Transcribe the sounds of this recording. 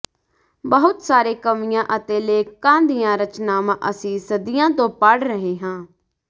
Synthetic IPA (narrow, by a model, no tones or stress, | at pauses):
bəɦʊt̪saːɾeːkəmɪjãːʔət̪eːleːkãːnd̪ijãːɾət͡ʃnaːmãːʔəsĩːsəd̪ijãːt̪õːpəɽɾəɦeːɦãː